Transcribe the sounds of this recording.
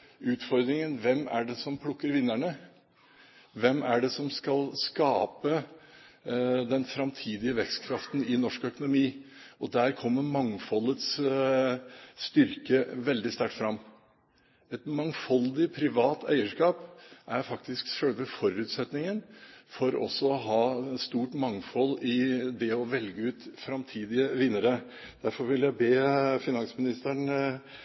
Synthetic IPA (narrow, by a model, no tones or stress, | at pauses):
ʉːt̪fɔɾd̪ɾɪŋənʋɛmːæ̰ɖɛsɔmpʰɽʊkːəɾʋɪnːæɳə | ʋɛmːæɖɛsɔmskɑlskɑːpə | d̪ɛnfɾɑmt̪ʰiːd̪ɪəʋɛkst̪kʰɾɑft̪n̩ɪnɔʂkœkʊnʊmiː | ʔɔd̪æːɾkʰɔmːəɾmɑŋfɔlːət̪s | st̪ʏɾkəʋɛld̪ɪst̪æʈːfɾɑmː | ɛt̪mɑŋfɔld̪ɪpʰɾɪʋɑːt̪ʰæ̰ɪəʂkɑːpʔæɾfɑk̚t̪ɪsksœɭʋəfɔɾʉːt̪sɛt̪nɪŋənfɔɾɔ̰sːɔɔɦɑːst̪uːʈmɑŋfɔlɪd̪ɛɔʋɛlɡəʉːt̪fɾɑmt̪ʰiːd̪ɪəʋɪnːəɾə | d̪̥æɾfɔɾʋɪljæɪbeːfɪnɑnsmɪnɪst̪əɳ